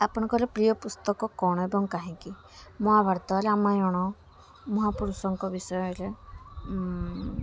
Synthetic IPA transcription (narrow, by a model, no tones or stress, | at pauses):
apɔɽ̃ɔŋkɔɾepɾijɔpust̪ɔkɔkɔɽ̃ɔebɔŋkaɦĩŋki | mɔabʱaɾt̪ɔɾeamajɔɽ̃ɔ | mɔɦapuɾusɔŋkɔbisɔjɔeɾe